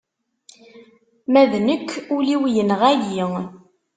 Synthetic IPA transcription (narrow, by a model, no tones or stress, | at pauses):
mæðnəkːuliwjənʁæjiŋ